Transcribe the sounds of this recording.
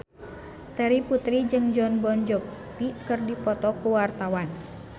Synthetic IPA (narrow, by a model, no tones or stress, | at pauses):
t̪ɛɾiput̪ɾid͡ʒɨŋd͡ʒɔnbɔnd͡ʒɔpikɨrdipɔt̪ɔkuwart̪awan